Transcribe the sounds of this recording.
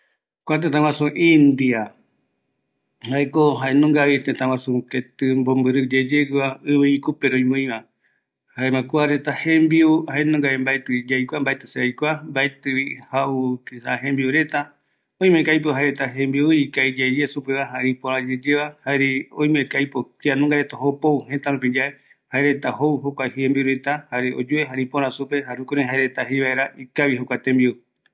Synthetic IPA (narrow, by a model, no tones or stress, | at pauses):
kʷat̪̬ẽt̪ãwãsũʔĩnd̪ia | haekoɦaenõŋɡaβit̪ẽt̪ãwãsũket̪ɨmbombɨɾɨd͡ʒed͡ʒeɡɨaɨβɨikupeɾojmõĩβã | haemãkuaɾet̪ahẽmbiuhaenõŋɡaβembaet̪ɨd͡ʒajkʷambaet̪ɨseajkʷambaet̪ɨβihaukisaɦẽmbiuɾe̞t̪a | oĩmẽkajp̬oɦaeɾet̪aɦẽmbiuikaid͡ʒad͡ʒesupeβaɦaɾĩpoɾãd͡ʒed͡ʒeβahaeɾiõj̃mẽkajpokianõŋɡaɾet̪aɦopouɦet̪aɾũp̬id͡ʒae | haeɾet̪aɦowhokʷahiembiuɾet̪ahaɾeo̰d͡ʒueɦaɾĩpõɾãsupe̞ɦaɾũkoɾẽɦaeɾe̞t̪aɦejβaeɾaʔikaβiɦokʷat̪ẽmbiu